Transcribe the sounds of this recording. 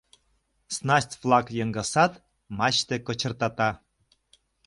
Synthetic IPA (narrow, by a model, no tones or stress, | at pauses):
snɑsʲtʲvlɑkjɤŋɡɑsɑt̪ | mɑt͡ɕt̪ekŏt͡ɕə̆rt̪ɑt̪ɑ